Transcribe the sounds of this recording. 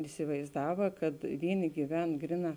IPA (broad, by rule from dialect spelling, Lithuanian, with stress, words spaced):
ɪsʲɪʋɐɪzˈdɑːʋɐ kɐt ˈʋʲiːˌnʲɪ ɡʲiːˈʋʲɛn ˈɡrʲɪˌnɑː